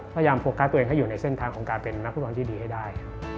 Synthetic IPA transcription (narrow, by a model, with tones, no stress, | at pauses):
pʰːjaː˧mpʰo˧˥˦kʰːaː˥t̪u˧eː˧ŋɦa˥˩juː˨˩na˧jse˥˩nt̪ʰaː˧ŋʰɔː˩˦ŋkaː˧npe˧nːa˦˥k̚ʰu˥˩˧t̪ʰiː˥˩diː˧ha˥˩jdaː˥˩j